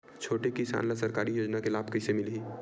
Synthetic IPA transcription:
t͡ʃʰoːʈekisa̰ːnlasɐɾkaːɾijoːd͡ʒnakelaːbkəɪsemɪliː

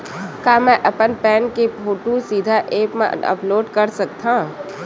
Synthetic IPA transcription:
kaːmɛ̃ʔəpənpɛːnkepʰoːʈusiːd̪ʱaʔeːpmḛ̃ə̰ploːɖkəɾsəkt̪ã

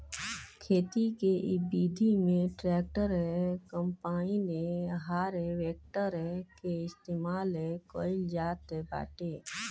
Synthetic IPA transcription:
kʰeːt̪ikeʔɪbiːd̪ʱimẽʈɾɛːk̚ʈəɾɦɛkəmpaːineɦaːɾɦɛʋeːk̚ʈəɾɦɛkeɪst̪eːmaːlɦɛkoːɪld͡ʒaːt̪ɦɛba̰ːʈeː

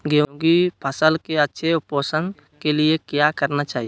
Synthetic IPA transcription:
ɡjõɡipʰəsəlkeɐtːʃʰeʊpoːsən | keliekjakəɾnat͡ʃaːɦij

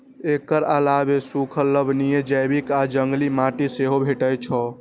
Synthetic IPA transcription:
ekəɾalabesukʰəlːəbnijed͡ʒəjbikad͡ʒəŋɡlimaʈiseɦobʱeʈət͡ʃʰɔ

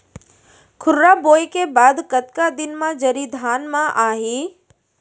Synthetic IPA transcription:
kʰʊɾɾaboːjkebaːd̪kət̪kad̪ɪnmãd͡ʒɐɾid̪ʱaːnmãʔaːɦiː

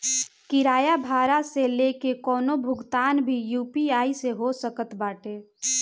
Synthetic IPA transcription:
kɪɾaːjabʱaːɾaselekekɔːnobʱʊɡt̪aːnbʱijuːpiaːiseɦosəkət̪baːʈeː

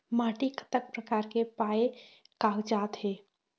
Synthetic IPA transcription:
maːʈikə̥t̪ək̚pɾəkaːɾkepaːe | kaːkd͡ʒaːt̪ɦeː

